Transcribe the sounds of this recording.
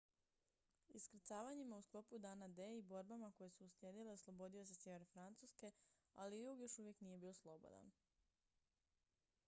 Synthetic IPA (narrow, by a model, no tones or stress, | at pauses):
iskɾt̪saːʋaɲimausklo̞pud̪anad̪eibo̞ɾbamako̞jesuːsljeːd̪ile̞oslˠo̞bo̞d̪ijo̞sesjeʋe̞ɾefɾant̪suske̞ | a̰lijuːɡjo̞ʃuʋje̞knije̞biːo̞slˠo̞bo̰d̪a̰n